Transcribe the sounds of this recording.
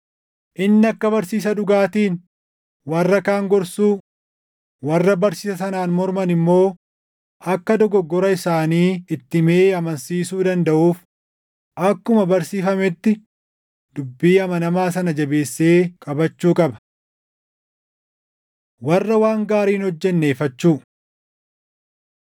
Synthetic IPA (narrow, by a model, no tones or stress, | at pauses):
ʔɪnːɪɐkːɐbɐɾsiːs̬ɐᶑʊɡaːt̪iːn | wɐrːɐkaːŋɡɔɾsuː | wɐrːɐbɐɾsɪːsɐsɐnaːnmɔɾmɐnɪmːo̞ː | ɐkːɐd̪ɔɡɔɡːɔɾɐɪsaːniːɪt̪ːɪme̞ːɐmɐnsiːsuːd̪ɐnd̪ɐʔuːf | ʔɐkːʊmɐbɐɾsiːfɐmɛt̪ːɪ | d̪̥ʊbːiːɐmɐnɐmaːs̬ɐnɐd͡ʒɐbe̞ːsːeːkʼɐbɐt͡ʃːuːkʼɐbɐ̥ | wɐrːɐwaːŋɡaːɾiːnhɔd͡ʒːɛnːeːfɐt͡ʃːuː